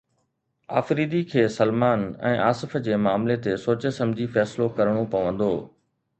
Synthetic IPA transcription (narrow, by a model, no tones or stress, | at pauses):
a̰ːfɾiːd̪ikʰeːsɐlmaːnɛ̰̃ːʔaːsɪfd͡ʑeːmaːmlet̪esoːt͡ɕəsɐ̃md͡ʑʱifɛːslokɐɾəɽ̃opɐʋə̃nd̪oː